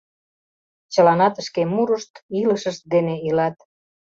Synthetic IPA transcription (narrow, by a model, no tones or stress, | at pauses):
t͡ɕə̆lɑnɑt̪əʃkemuɾəʃt̪iləʃəʃt̪̚d̪eneilɑt̪̚